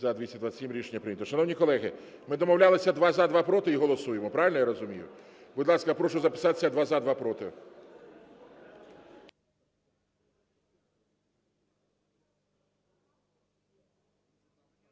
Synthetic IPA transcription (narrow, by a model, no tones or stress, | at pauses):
zɐd̪ʲʋʲisʲɐd̪ʋasʲimɾʲiʃenʲːɐpɾɪjnʲət̪ɔʃɐnɔwnʲikɔlˠɛɦɪ | mɪd̪ɔmɔwlʲalˠɪsʲɐd̪ʋɑzɑd̪ʋɑpɾɔt̪ɪiɦɔlˠɔsujemɔpɾɑʋɪlʲnjaɾɔzʊmʲijʊ̰ | bʊd̪lˠɑskɐpɾɔʃʊzɐpɪ̥sɑt̪e̥sʲɐd̪ʋɑzad̪ʋɑpɾɔt̪ɪ̰